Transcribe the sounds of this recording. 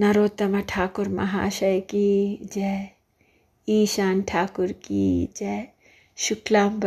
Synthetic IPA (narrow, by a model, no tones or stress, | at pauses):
nɐɾoːt̪ːɐmɐʈʰaːkʊɾmɐ̰ɦa̰ːʃɐjkid͡ʒe | iːʃaːnʈʰaːkʊɾkḭd͡ʒɛ | ʃʊklaːmb